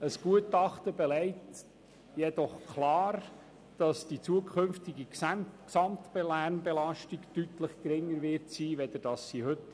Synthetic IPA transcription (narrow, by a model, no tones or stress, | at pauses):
əsɡ̥uətɑχtəbɛlɛɪt | jɛd̥ɔχkʰlɑːɾ | d̥ɑsd̥it͡suəkʰʏnftiɡiksɑmtbelæɾnbɛlɑʃtiɡtytləχkɾɪŋːəɾʋɪɾtsiːʋɛd̪əɾd̥ɑsːihɵt